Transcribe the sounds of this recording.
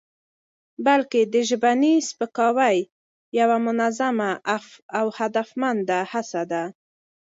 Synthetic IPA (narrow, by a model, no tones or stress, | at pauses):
balked̪əʒbanispəkɑwaj | jawamʊnazamaʔafawhad̪afmand̪ahasad̪a